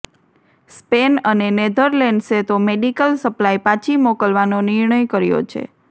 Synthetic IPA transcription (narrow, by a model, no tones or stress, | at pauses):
spenənened̪ʱəɾleɳɖset̪omeɖikəlsəplajpãt͡ʃʰimɔkəlʋanonɪɾɳəjkəɾjo̰t͡ʃʰḛ